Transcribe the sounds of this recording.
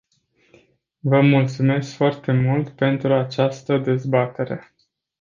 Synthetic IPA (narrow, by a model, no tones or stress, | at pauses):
vəmult̪sume̞skfoart̪e̞mult̪pe̞nt̪ɾuat͡ʃast̪əd̪e̞zbat̪e̞ɾe̞